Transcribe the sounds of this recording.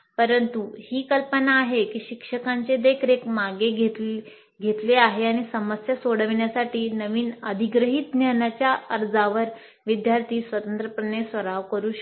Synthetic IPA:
pəɾənt̪uhiːkəlpənaːɦekiːɕikʂəkaɲt͡sed̪ekʰɾekmaɡeɡʱet̪ | ɡʱet̪leaɦeaɽ̃isəməsjəsoɽ̤əʋɳjasaʈiːnəʋiːnəd̪ʱiɡɾəɦiːt̪̚njanat͡ɕjaʔəɾd͡zaʋəɾ | ʋid̪jaɾt̪ʰiːsʋət̪ənt̪ɾəpɾəɳesʋəɾaʋkəɾuː

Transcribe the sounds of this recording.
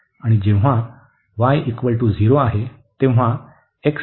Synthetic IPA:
aɽ̃id͡ʑẽ̤a | ʋajʔikʋəɭʈuːd͡zʱiɾoaɦe | t̪ẽʋʋ̤a | eks

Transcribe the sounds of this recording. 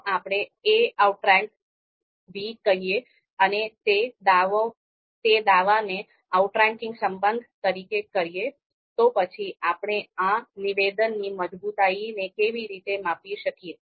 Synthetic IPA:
apɳ̃eeauʈɾɛ̃ŋk | bʱikəɾije | ənet̪ed̪aʋo | t̪ed̪aʋane | auʈɾɛ̃ŋkɪ̃ŋɡsəmbənd̪ʱt̪əɾikekəɾije | t̪opət͡ʃʰiʔapɳ̃eãniʋed̪ənːiməd͡ʒbut̪ainekeʋiɾit̪emapiʃəkie

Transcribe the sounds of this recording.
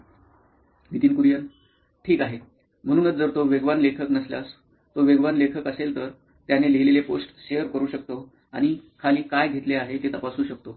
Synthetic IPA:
ɡʱit̪iːnkuɾjən | ʈʰiːkaɦe | m̤əɽ̃uːnət͡sd͡zəɾt̪oʋeɡʋanlekʰəknəsljas | t̪oʋeɡʋanlekʰəkəselt̪əɾ | t̪janeleleleposʈɕeɦəɾkəɾuːɕək̚t̪o | aɽ̃ikʰaliːkajɡʱet̪leaɦet̪et̪əpasuːɕək̚t̪o

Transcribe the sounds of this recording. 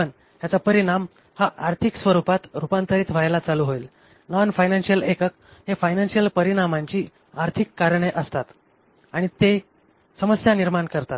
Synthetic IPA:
ən | ɦjat͡sapəɾiɽ̃am | haʔaɾt̪ʰiksʋəɾupat̪ɾupant̪əɾiːt̪ʰʋ̤ajlat͡saluːɦoiːl | nɔnfajnansijəlekək | ɦefajnansijəlpəɾiɽ̃amaɲt͡ɕiː | aɾt̪ʰikːaɾɳ̃eʔəst̪at̪ | aɽ̃it̪e | səməsjaniɾmaɳkəɾt̪at̪

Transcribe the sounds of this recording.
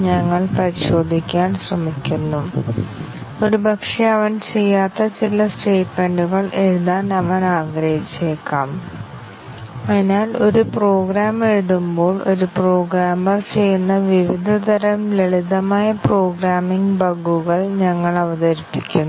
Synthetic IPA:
ɲɐŋːɐɭpɐɾiɕo̞ːd̪ʱikʲːaːnɕrɐmikʲːunːu | oɾubʱɐkʂɐɐʋɐnt͡ɕe̞jːaːt̪ːɐt͡ɕilɐsʈe̞ːʈme̞ɳɖuɣɐɭe̞ɻuðaːnɐʋɐnaːɡɾɐhit͡ɕːe̞ːkːaːm | ɐnaːlo̞ɾupro̞ːɡɾaːmeɻuðumbo̞ːɭo̞ɾupro̞ːɡɾaːmɐrt͡ɕe̞jːunːɐʋiʋid̪ʱɐt̪ɐɾɐmleɭid̪ɐmaːjɐpro̞ːɡɾaːmiŋɡbɐɡːuɣɐɭɲɐŋːɐɭɐʋɐðɐɾipːikʲːunː

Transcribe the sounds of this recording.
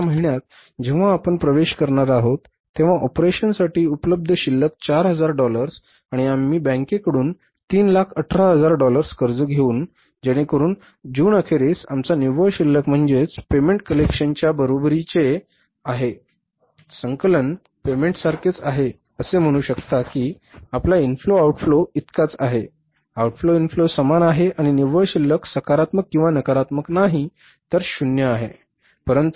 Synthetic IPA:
aməɦiɳjat̪̚ | d͡ʑeʋ̤aːpəɳpɾəʋeɕkəɾɳaɾaɦot̪ːeʋ̤aʔɔpɾeɕənsaʈiːupləb̚d̪ʱəɕilːək̚t͡ɕaɾɦəd͡zaɾɖɔləɾs | aɽ̃iamiːbə̃ŋkekəɽuːn | t̪iːnlakʰəʈʰɾaɦəd͡zaɾɖɔləɾskəɾd͡zəɡʱeuːn | d͡ʑeɽ̃ekəɾuːn | d͡ʑuːnəkʰeɾesamt͡saniʋəɕilːəkm̤əɳd͡zet͡spemeɳʈ̚kəlekɕənt͡ɕjabəɾobɾit͡ɕe | aɦe | səŋkələn | pemeɳʈsaɾkʰet͡saɦe | əsem̤əɽ̃uːɕəkt̪akiː | aplainfloauʈfloit̪kat͡saɦe | auʈfloinflosəmanaɦeaɽ̃iniʋəɭɕilːəksəkaɾat̪məkːĩw̃ʋanəkaɾat̪məknaɦi | t̪əɾɕunjəaɦe | pəɾənt̪u

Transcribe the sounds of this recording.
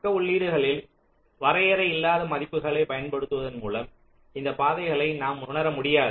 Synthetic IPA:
kːɐʊɭːiːɽɯɣɐɭɪl | ʋɐɾɐjɐɾɐɪɪlːaːðɐmɐðɪpːɯɣɐɭɐɪpɐjɐnpɐɽɯt̪ːɯʋɐðɐnmuːlɐm | ɪnd̪ɐpaːðɐɪɣɐɭɐɪnaːmʊɳɐɾɐmʊɽɪjaːðɯ

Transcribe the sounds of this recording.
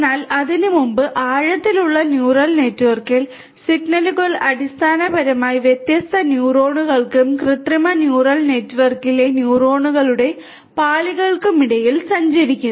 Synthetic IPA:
naːlɐðinɨmumbɨʔaːɻɐt̪ːiluɭːɐnjuːrɐlne̞ːtːuʋɐrkil | siɡnɐlkolɐɽist̪ʰaːnɐbɐɾɐmaːjiʋjet̪jɐst̪ʰɐnjuːro̞ːɳuɣɐɭkɨmkrɨt̪rɐmɐnjuːrɐlne̞ːtːuʋɐrkile̞njuːro̞ːɳuɣɐɭuɽe̞ | paːɭiɣɐɭkumiɽɐjilsɐɲd͡ʑɐɾikʲːun

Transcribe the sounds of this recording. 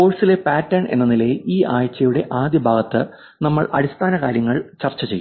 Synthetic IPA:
po̞ːɭsile̞paːtːɐrɳʔe̞̰nːɐnilɐjʔiːaːjt͡ɕːɐjuɽe̞ʔaːd̪ʱibʱaːɡɐt̪ːɨ | nɐmːɐɭʔɐ̰ɽist̪ʰaːnɐkaːɾjɐŋːɐɭt͡ɕɐrt͡ɕːɐt͡ɕejːu

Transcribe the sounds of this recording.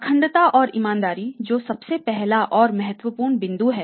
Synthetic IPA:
kʰə̃ɳɖt̪aʔɔːɾimãːnd̪aːɾid͡ʒoːsɐbsepɛɦlaʔɔːɾmɐɦət̪wəpuːɾɳbɪ̃nd̪uɦɛː

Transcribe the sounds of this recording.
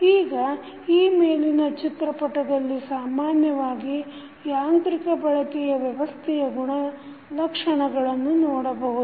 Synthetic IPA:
iːɡɐ | iːmeːlinɐt͡ʃit̪ɾɐpɐʈɐd̪ɐlːisaːmaːnjɐʋaːɡi | jaːnt̪ɾikɐbɐɭɐkɛjɐʋjɐʋɐst̪ʰɛjɐɡuɳɐ | lɐkʂɐɳɐɡɐɭɐnːunɔːɽɐbɐɦud̪u

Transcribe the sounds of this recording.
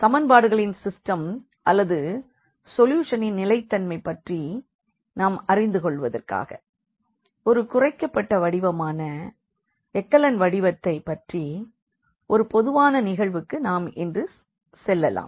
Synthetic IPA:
t̪ɐmɐnbaːɽɯɣɐɭɪnsɪsʈɐm | ʔɐlːɐðɯ | sɔljuːʂɐnɪnnɪlɐɪt̪ːɐnmɐɪpːɐʈri | naːmɐrɪnd̪ɯkɔɭːʋɐðɐ̰rka̰ːɣɐ̰ | ɔɾɯkʊrɐɪkːɐpːɐʈːɐʋɐɽɪʋɐmaːnɐ | ɛkːɐlɐnʋɐɽɪʋɐt̪ːɐɪpːɐʈri | ʔɔɾɯpɔðɯʋaːnɐnɪɣɐɭʋɯkːɯnaːmɛndrɯ | sɛlːɐla̰ːm

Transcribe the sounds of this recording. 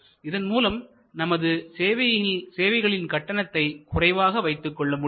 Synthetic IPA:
ɪðɐnmuːlɐm | nɐmɐðɯseːʋɐɪlseːʋɐɪɣɐɭɪnkɐʈːɐnɐt̪ːɐɪkʊrɐɪʋaːɣɐʋɐɪt̪ːɯkːɔɭːɐmʊ

